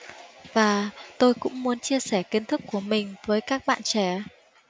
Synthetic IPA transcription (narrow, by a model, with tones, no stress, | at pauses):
vaː˨˩t̪o˧jkʊ̰˧˥ŋ͡mmu˨˦ənt͡ɕi˧əsɛ˧˩ki˨˦nt̪ʰɨ˦˥kːu˧˩əmï˨˩ŋ̟vəː˨˦jkaː˦˥k̚ɓa̰ː˧˨nt͡ɕɛ˧˩